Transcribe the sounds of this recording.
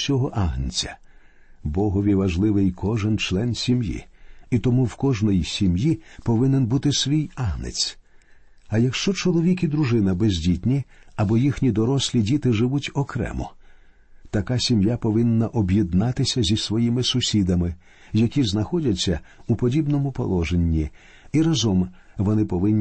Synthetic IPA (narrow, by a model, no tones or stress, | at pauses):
sʲɔɦɔʔaɦnɪt͡sʲɐ̥ | bɔɦɔʋʲiʋɐʒlˠɪʋɪjkʰɔʒɪnt͡ʃlˠɛnsʲimjḭit̪ɔmuwkɔʒnɔjisʲimjipɔʋɪnenbut̪ɪsʋʲijaɦnɪ̰t͡sʲ | ɐjɐkʃt͡ʃɔt͡ʃɔlˠɔʋʲik̬ʲid̪ɾʊʒɪnɐbezʲdʲitʲnʲiɐbɔjixnʲid̪ɔɾɔsʲlʲidʲit̪ɪʒɪʋutʲɔkɾɛ̰mɔ̰ | t̪ɐkasʲimjapɔʋɪnːɐʔɔbjid̪nɑt̪ɪsʲɐzʲisʋɔjimɪsʊsʲid̪ɐmɪ | jɐkʲiznɐxɔdʲɐt͡sʲːɐupɔdʲibnɔmʊpɔ̰lˠɔʒenʲːi | iɾɐzɔmʋɔnɪpɔʋɪnʲː